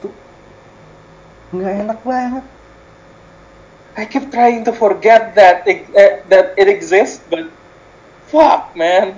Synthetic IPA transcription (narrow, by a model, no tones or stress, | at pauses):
t̪u | ŋɡaanak̚baɦt̪̚ | ʔajkɛp̚t̪ɹajɪ̃ŋt̪ufɔɹɡɛt̪̚ðæt̪̚ɪðæt̪̚ɪtɛɡzɪsbʌt̪̚ | fʌk̚mæ̃n